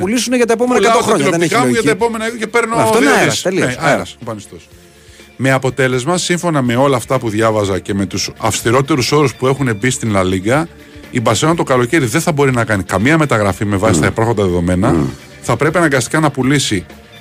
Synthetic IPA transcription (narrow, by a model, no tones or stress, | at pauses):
ppulisuneʝɐt̪ɐep̬omenɐkɐt̪ot̪ɐoɲɐɾopikɐmuʝɐt̪ɐepo̞me̞nɐiðocepe̞ɾnofðeselieɾɐsopɐnist̪os | me̞ɐpo̞t̪e̞le̞zmɐsiɱfo̞nɐme̞o̞lɐːft̪ɐpuðʝɐvɐzɐce̞me̞t̪usɐfst̪iɾo̞t̪e̞ɾuso̞ɾuspue̞xune̞bist̪inlɐliɡɐ | ibɐseɐt̪o̞kɐlo̞ce̞ɾiðenθɐbo̞ɾinɐkɐnikɐmiɐme̞t̪ɐɣɾɐfime̞vɐsist̪ɐepɐɾxond̪ɐðe̞ðo̞me̞nɐ | θɐpɾe̞pinɐɡɐst̪i̥kɐnɐpulisi